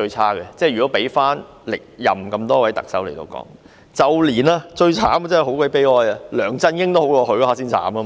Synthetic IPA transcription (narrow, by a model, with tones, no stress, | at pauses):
ɵ˧ɥt͡sʰaː˥kɛ˧t͡sɛ˥˩jɥyː˨˩ɔ˨˥pe˨˥jfaː˥n | lɪ˨k̚jɐ̰˨mkɐ˧mt̪ɔː˥wɐ˨˥jt̪ɐ̰˨k̚sɐ̰˨˥wle˨˩jt̪o̰˧wkɔ̰ː˨˥ŋ | t͡sɐ˨wliː˨˩naː˧t͡ʃɵ˧ɥt͡sʰaː˨˥m˨t͡sɐː˥˨˩ɦo˨˥wkʷɐ˨˥jpe˥jɔː˧˥ja˨˧lœː˨˩ŋt͡sɐ˧njɪ˥ŋt̪o˥ho˨˥wkɔː˧hɵ˨˧˥kɔ˧˥aː˨˧s̬iː˥nt͡sʰa̰ː˨˥maː˧